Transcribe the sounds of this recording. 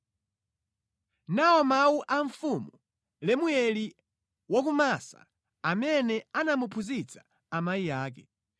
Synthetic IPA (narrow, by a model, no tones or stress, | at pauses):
naɔmawuʔaɱfumu | lɛmujɛli | wɔk̬umasa̰ | amɛnɛanamupʰuzit͡sʰḁ | amaijaːk̬ɛ